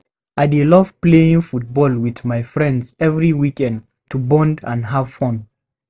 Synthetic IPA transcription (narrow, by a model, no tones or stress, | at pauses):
aɪdelʌv̥pleɪ̃ŋfut̚bɔlˠwiðmaɪfɹɛ̃ndzɛvɹiwikɛ̃nd | tʰubɔ̃ndə̰̃nɦav̥fõn